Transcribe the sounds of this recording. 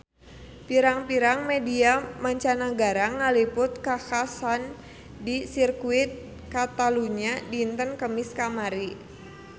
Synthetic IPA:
piɾaŋpiɾaŋmediamaɲt͡ʃanaɡaɾaŋalipʊt̪̚kakasan | disirkuɪt̪̚ | kat̪aluɲiadint̪ənkəmiskamaɾi

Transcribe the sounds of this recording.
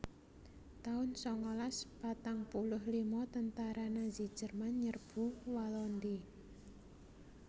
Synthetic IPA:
t̪aʊnsɔŋɔlaspat̪aŋpulʊɦlimɔt̪ənt̪aɾanazi̥d͡ʒ̥ərmanɲərb̥ṳwalɔnd̪i

